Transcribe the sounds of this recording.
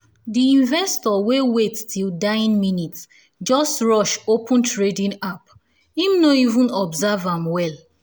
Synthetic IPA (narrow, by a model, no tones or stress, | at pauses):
diĩnvɛstɔwewettʰildaɪĩnminits | d͡ʒɔstɹɔʃopʰə̃ntʰɹedĩnap | ĩmnoivũnɔbzavãmwɛl